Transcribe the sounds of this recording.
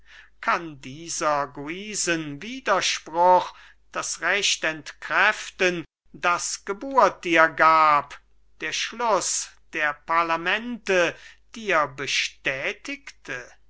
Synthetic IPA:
kʰandiːzɐɡuiːzənviːdɐʃpʁʊχ | d̥asʁɛɕtɛntkʁɛftən | dasɡ̥əbuːɐt̚d̥iːɐɡaːp | d̥eːɐʃlʊsd̥eːɐpaɐlamɛntəd̥iːɐbəʃtɛːtɪktʰə

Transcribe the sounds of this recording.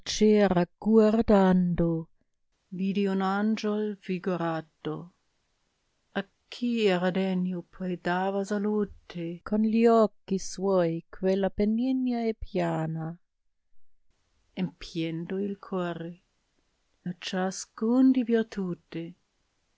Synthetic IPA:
t͡ʃɛːɾaɡ̥ward̪and̪o | viːd̪iunand͡ʒolviɡoɾat̪ːo̰ | akʰːiɛɾad̪ɛnjopʰɔjd̪aːvasaluːt̪ekʰonliɔkːiswɔjkʰwelːapenːinjaɛpjaːna | empʰjend̪oilkʰɔːɾe | at͡ʃaskund̪ibiɛt̪ʰuːt̪e

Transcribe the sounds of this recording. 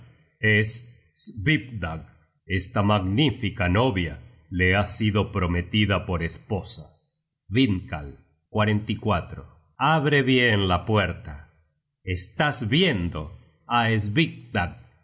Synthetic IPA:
es | sβipd̪aɡ | est̪amaɣnifikano̞βja | leasiðo̞pɾo̞met̪iðapo̞ɾespo̞sa | βiŋkal | kwaɾe̞nt̪ikwat̪ɾo | aβɾeβjenlapweɾt̪a | est̪azβjend̪o | aezβik̚d̪aɡ̚

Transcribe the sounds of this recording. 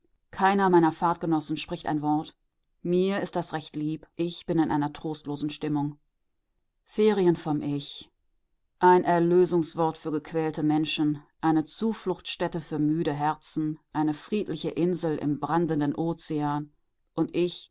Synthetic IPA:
kʰaɪnɐmaɪnɐfaɐtɡ̥ənɔsn̩ʃpʁ̥ɪçta̰ɪnvɔɐt | miːɐɪst̚d̥asʁɛçtliːpʔɪçb̥ɪnɪnʔa̰ɪnɐtʁ̥oːstloːzn̩ʃtɪmʊŋ | feːʁiənfɔmʔɪç | ʔaɪnʔɛɐløːzʊŋsv̥ɔɐtfyːɐɡəkv̥ɛːltəmɛnʃn̩ʔaɪnət͡suːflʊxtʃtɛtəfyːɐmyːɾəɦɛɐt͡sn̩ʔaɪnəfʁ̥iːtʰlɪçəʔɪnzl̩ʔɪ̰mbʁandən̩dənʔoːt͡seaːn | ʔʊntʔɪç

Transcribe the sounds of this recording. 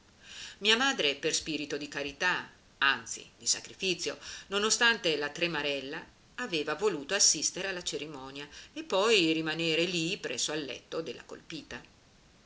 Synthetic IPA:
miːamaːd̪ɾeperspiːɾit̪od̪ikaɾit̪a | ant̪sḭd̪isa̰kɾifit̪sjo̰nonost̪ant̪elat̪ɾemaɾɛlːaː | veːvavoluːt̪oasːist̪eɾealːat͡ʃeɾimɔːnjaepːɔjrimaneːɾelipɾɛ̰sːoalːɛ̰t̪ːod̪elːa̰ko̰lpiːt̪a

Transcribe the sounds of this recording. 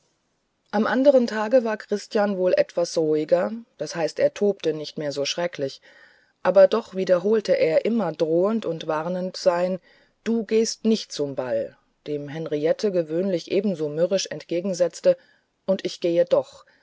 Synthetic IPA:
ʔamʔandəʁ̞əntʰaːɡəvaːɐkʁ̥ɪstjanvoːlʔɛtv̥asʁoɪɡɐd̥ashaɪstʔeːɐtʰoːptənɪçtmeːɐzoːʃʁ̥ɛklɪç | ʔaːbɐdɔχv̥iːdɐɦoːltəʔeːɐʔɪmɐdʁoːəntʊntv̥aʁnəntz̥aɪn | d̥uːɡeːstnɪçt̚t͡sʊmbal | d̥eːmɦɛnʁiɛtʰəɡəvøːnlɪçʔeːbm̩zoːmʏʁɪʃɛ̰ntɡ̥eːɡŋ̩zɛt͡stə | ʔʊntʔɪçɡ̥eːədɔχ

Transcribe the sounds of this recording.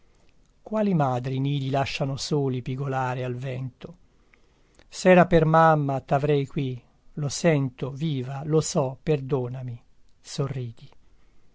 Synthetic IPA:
kwaːlimaːd̪ɾimiːd̪ilaʃːanosoːlipiɡolaːɾealvɛnt̪o | sɛːɾapermamːat̪avɾɛjkwi | losɛnt̪oviːvalosɔperd̪oːnami | sorːiːd̪̥i

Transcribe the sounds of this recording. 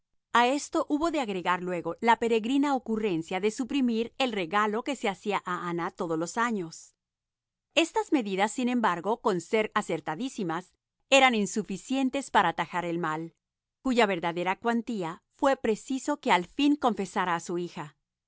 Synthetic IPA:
ae̞st̪o̞ʔuβo̞ðe̞aɣɾe̞ɣaɾlwe̞ɣo̞lape̞ɾe̞ɣɾinaokure̞nsjaðe̞supɾimiɾe̞lreɣalo̞ke̞seasiaʔaanat̪o̞ð̞ozlo̞saɲos | e̞st̪azme̞ðiðasːinẽ̞mbaɾɣo̞ko̞nse̞ɾase̞ɾt̪aðisimas | e̞ɾaninsufisje̞nt̪e̞spaɾaːt̪axaɾe̞lmal | kuʝaβe̞ɾðaðe̞ɾakwant̪iafwe̞pɾe̞siso̞ke̞alfiŋko̞ɱfe̞saɾaːsuixa

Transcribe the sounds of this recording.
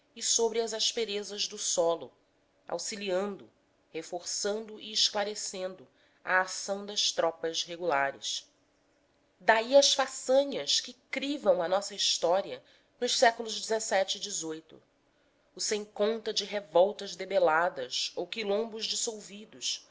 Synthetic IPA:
ɪsobɾɪɐzaʃpeɾezɐʒd̪ʊsɔlʊ | a̰wsiliɐ̃nd̪ʊ | hefoɾsɐ̃nd̪ʊʔiːʃklaɾesẽnd̪ʊ | ɐ̰ːsɐ̃w̃d̪ɐʃt̪ɾɔpɐzɦeɡulaɾɪ̰s | d̪aiɐʃfasɐ̃ɲɐskɪkɾivɐ̃w̃ɐnɔsɐiʃt̪ɔɾiɐ | nʊʃsɛkulʊʒd͡ʒɪzesɛt͡ʃɪːd͡ʒizojt̪ʊ̰ | ʊsẽj̃kõnt̪ɐd͡ʒɪɦevɔwt̪ɐzd̪ebelad̪ɐzowkilõmbʊzd͡ʒɪsowvid̪ʊʃ

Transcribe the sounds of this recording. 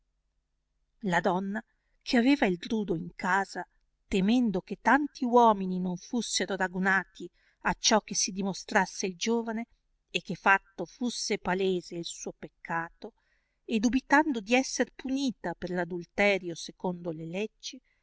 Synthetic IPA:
lad̪ɔnːa | kʰeaveːvaild̪ɾuːd̪oiŋkaːza | t̪emɛnd̪oket̪ːant̪ʰiwɔːmininoɱfusːeɾoɾaɡunaːt̪i | at͡ʃːɔk̟ːesːid̪imost̪ɾasːeild͡ʒoːvane | ek̟ːefːat̪ːofusːepaleːzeilsuːopekʰːaːt̪o | ed̪ubit̪and̪od̪iɛsːerpuniːt̪aperlad̪ult̪ɛːɾjosekond̪olelɛd͡ʒːi

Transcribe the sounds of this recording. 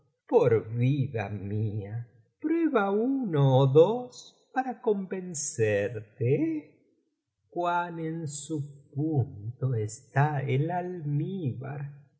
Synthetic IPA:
poɾβiða̰mia | pɾweβauunoːðos | paɾakombenseɾt̪e | kwanensupunt̪oest̪aelalmiβa̰ɾ

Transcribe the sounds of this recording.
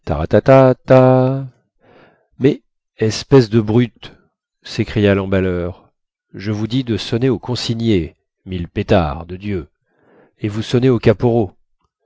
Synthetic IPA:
t̪a̰ʁa̰t̪at̪at̪a | mɛ | ɛspɛsd̪əbʁyt̪ | sekχijalɑ̃balœʁ | ʒəvud̪id̪əsɔneokʰɔ̃siɲje | milpet̪a̰ʁd̪əd̪jø | evusɔneokapoʁo

